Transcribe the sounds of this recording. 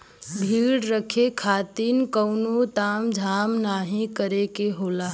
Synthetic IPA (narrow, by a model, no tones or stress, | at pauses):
bʱiɽɾəkʰekʰat̪inkəʊnot̪amd͡ʒʱamnaɦĩkəɾekeɦola